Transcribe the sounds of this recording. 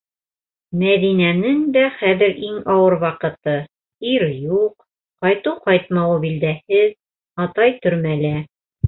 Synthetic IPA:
mæðinænɘnd̪æχæðɘɾʔiŋɑwɤɾwɑqɤ̆t̪ɤ | iɾjuq | qɑjt̪uwqɑjt̪̚mɑwɤbild̪æhɘð | ɑt̪ɑjt̪ɵ̆ɾmælæ

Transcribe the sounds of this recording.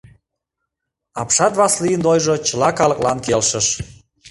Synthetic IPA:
ɑpʃɑt̪βɑslijənd̪ojʒot͡ɕəlɑkɑləklɑ̰nkelʃəʃ

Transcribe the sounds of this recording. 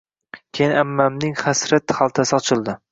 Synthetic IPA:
kʲʰejnɪamːamnɪŋχasɾat̪χalˠt̪ʰasɪɒt͡ʃʰɪlˠd̪ɪ

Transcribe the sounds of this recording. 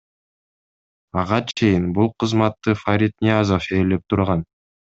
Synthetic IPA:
ɑʁɑt͡ʃʰe̞jinbulˠqʰɯzmɑt̪ːɯfaɾʲit̪nʲiazofeːlep̚t̪ʰuɾʁɑn

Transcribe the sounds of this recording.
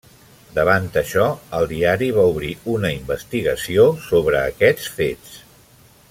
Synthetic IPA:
d̪əβ̞ant̪əʃɔəlˠd̪iaɾiβ̞auβɾiunəimbəst̪iɣəsiosoβ̞ɾəːkɛt͡sfet͡s

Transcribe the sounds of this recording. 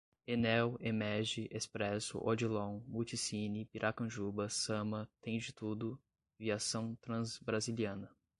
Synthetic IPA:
enɛwemɛɾʒɪʔespɾɛsʊ̰ʔod͡ʒilõw̃mut͡ʃisinipiɾʔakɐ̃ʒubɐsɐ̃mɐt̪ẽj̃d͡ʒɪt̪ud̪ʊ | viasɐ̃w̃t̪ɾɐ̃zbɾaziliɐ̃nɐ

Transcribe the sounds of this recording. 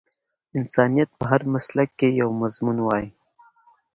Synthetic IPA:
ɪnsɑːnijɐt̪̚pəɦɐɾmɐslɐkːejɐwmɐzmunwaːi

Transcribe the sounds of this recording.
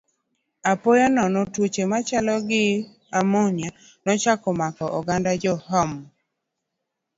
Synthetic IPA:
apojanɔnɔtwot͡ʃemat͡ʃalɔɡɪ | amonja | nɔt͡ʃakɔmakɔʔɔɡandad͡ʒɔhɔm

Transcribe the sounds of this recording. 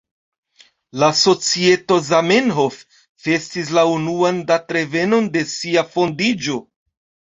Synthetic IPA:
laso̞t͡sie̞to̞zamenɦo̞fː | e̞stis̬launuandatɾe̞ve̞no̞nde̞siafo̞ndid͡ʒo̞

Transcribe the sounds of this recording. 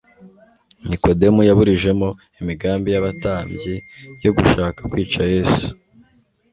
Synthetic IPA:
niko̞de̞mujaβuɾiʒe̞mo̞ | imiɡaːmbijaβataːmjijo̞ɡuʃaːkḁkwiːt͡ʃaje̞ːsu̥

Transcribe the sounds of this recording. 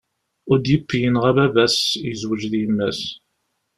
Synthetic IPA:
ʊɾd̪jəpːjənʁæbævæsjəzwəd͡ʒðiəmːæs

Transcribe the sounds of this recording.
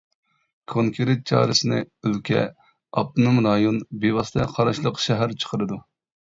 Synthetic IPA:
kʰoŋkʰʲeɾet̪̚t͡ʃʰɑ̰ːɾɨsɨnɨ̰ølkʲʰɛ̰ | ɑ̰p̚t̪numɾɑːjonbewɑst̪ʰɛqʰɑɾɑʃlˠəqʃɛɦæɾt͡ʃʰə̥qʰəɾɨd̪u

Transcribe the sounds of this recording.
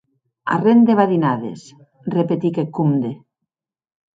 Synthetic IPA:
a̰rend̪eβaðinaðḛs | repet̪ikekund̪e

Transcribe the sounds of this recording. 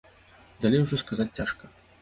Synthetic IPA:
d̪alʲejwuʐɔskazat͡sʲt͡sʲaʂkɐ

